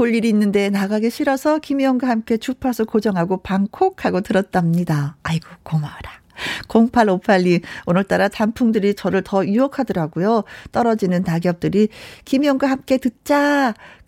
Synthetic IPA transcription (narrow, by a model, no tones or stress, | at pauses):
koʎːiɾiːnːɯnde̞naɡaɡe̞ɕʰiɾʌsʰʌkimjʌŋɡwahamk͈e̞t͡ɕupʰasʰʌkod͡ʑʌŋɦaɡopaŋkʰokʰhaɡotɯɾʌt̚t͈amɲidaːiɡokomaɾa | koŋpʰaɭopʰaʎːionɯɭt͈aɾatampʰuŋdɯɾit͡ɕʌɾɯɭtʌuʌkʰadʌɾaɡujot͈ʌɾʌd͡ʑinɯnːaɡjʌp̚t͈ɯɾikimjʌŋɡwahamk͈e̞tɯt̚t͡ɕ͈a